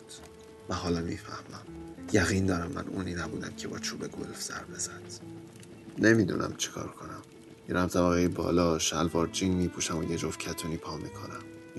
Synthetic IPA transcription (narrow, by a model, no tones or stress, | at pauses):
væɦɒːlɒːmiːfæhmæmjæɣiːnd̪ɒːɾæmːæ̰nʔuːniːnæbuːd̪æmcʰebɒ̰ːt͡ʃʰuːbe̞ɡo̰lfz̥æ̰ɾbe̞zænd̪̥ | nemid̪ṵːnʔæ̰mt͡ʃʰi̥kʰɒ̰ːɾkʰo̞næm | biɾæmt̪ʰæbæɣejebɒ̰ːlɒːʃælvɒːɾd͡ʒiːnmiːpʰuːʃæmojed͡ʒofcʰæt̪ʰuːniːpʰɒːmikʰonæm